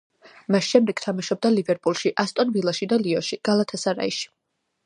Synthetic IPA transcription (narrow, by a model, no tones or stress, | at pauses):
masʃɛmd̪ɛɡ̥t̪ʰamaʃɔb̚d̪alivɛɾpʼulˠʃiʔast̪ʼɔnvilˠaʃid̪aliɔʃiɡ̥alˠat̪ʰasaɾa̰iʃi̥